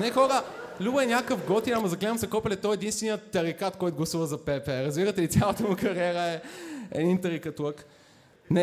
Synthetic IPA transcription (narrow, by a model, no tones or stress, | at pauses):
nɛxɔɾəlʲubəɛnʲjakəfɡɔt̪inamɐzɐɡklɛnəmsɐkɔplʲɛt̪ɔjɛd̪inst̪vɛnijət̪ːɐɾikat̪kɔjt̪ʊɡlˠɐsuvɐzɐpɛpɛɾɐzbiɾɐt̪ɛlit̪sʲjalˠət̪əmukɐɾiɛɾəɛɛ̰d̪int̪ɐɾikɐt̪uək | nɛ